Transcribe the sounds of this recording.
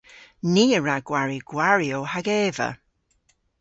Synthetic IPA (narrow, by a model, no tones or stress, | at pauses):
niːəɹaɡ̥waɹiɡ̥waɹiowhaɡɛːvə̰